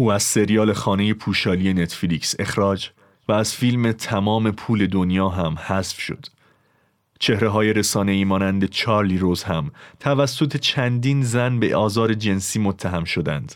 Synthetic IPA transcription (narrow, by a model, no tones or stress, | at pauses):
ʔuːæz̥se̞ɾijɒːlexɒːne̞jepʰuːʃɒːlije̞net̪ʰflikse̞xɾɒːd͡ʒ | væːz̥fiːlme̞t̪ʰæmɒːme̞pʰuːle̞d̪onjɒːɦæmhæsfʃo̞̰d̪̥ | t͡ʃʰe̞hɾe̞ɦɒːje̞ɾe̞sɒːne̞iːmɒːnænd̪e̞t͡ʃʰɒːɾliɾoːzhæmt̪ʰævæsːo̞t̪ʰe̞t͡ʃʰænd̪iːnzænbe̞ʔɒːzɒːɾe̞d͡ʒe̞nsiːmot̪ʰːæɦæmʃo̞d̪æ̰nd̪̥